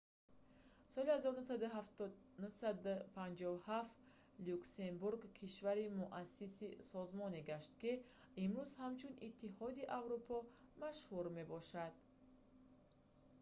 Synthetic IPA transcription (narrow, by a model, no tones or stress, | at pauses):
sɔlihazɔɾunus̬ad̪uɦaft̪ɔ | nusad̪upʰand͡ʒɔvuhaft̪ | lukse̞mbuɾɡkʰiʃvaɾimuʔasːisisɔzmɔneɡaʃt̪ki | imɾuzhamt͡ʃʰunit̪ʰːihɔd̪iʔavɾupʰɔmaʃhuɾme̞bɔʃad̪̥